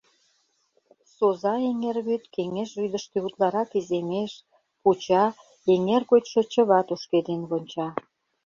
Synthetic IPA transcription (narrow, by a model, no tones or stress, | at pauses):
sozɑeŋerβyt̪keŋeʃβyd̪ə̆ʃk̪eut̪lɑɾɑkizemeʃ | put͡ɕɑ | eŋerɣot̪ʃɤ̆t͡ɕəβɑt̪oʃked̪enβonʲt͡ɕɑ